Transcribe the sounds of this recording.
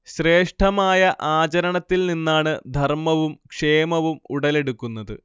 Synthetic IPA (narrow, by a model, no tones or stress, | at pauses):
ɕre̞ːʂʈʰɐmaːjɐʔaːt͡ɕɐɾɐɳɐt̪ːilninːaːɳɨd̪ʱɐrmɐʋumkʂe̞ːmɐʋumuɽɐle̞ɽukːunːɐðɨ̰